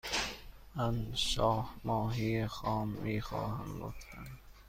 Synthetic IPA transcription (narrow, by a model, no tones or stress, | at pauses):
mænʃɒːhmɒːɦiːexɒːmːiːxɒ̰ːhænɡo̰ft̪æ̰n